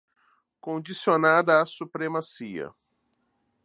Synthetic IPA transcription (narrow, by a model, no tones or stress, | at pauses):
kõd͡ʒisionad̪ɐːsupɾemasiɐ̰